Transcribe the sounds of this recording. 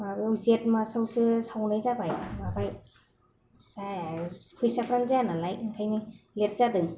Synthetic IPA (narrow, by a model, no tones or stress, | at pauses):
mabewzet̚masawsɯsawnɯjzabajmabʰaj | sakʰusapɾaŋzanalajɯŋkʰajni | let̚zadɯŋ